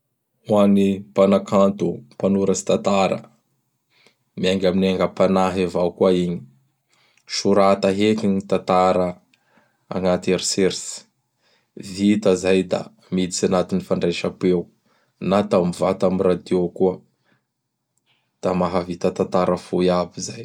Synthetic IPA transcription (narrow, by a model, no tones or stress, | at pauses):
wanipanakant̪upanuɾəsi̥t̪at̪aɾə̰ | miaŋɡaminaŋɡəpanaɦevawkuaiɲi | ʃuɾat̪aɦekiɲit̪at̪aɾə | a̰ŋat̪eɾiseɾsi̥ | vit̪əzajd̪a̰ | mid̪it͡sanat̪inifaɳɖ͡ʐeʃapew | nat̪amivat̪amirad̪iokuə | d̪̥amaɦavit̪ət̪at̪aɾəfuiabizaj